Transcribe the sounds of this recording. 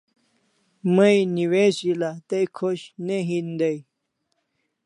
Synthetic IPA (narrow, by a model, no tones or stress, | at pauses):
məjniweɕilat̪ejkʰoɕneɦind̪əj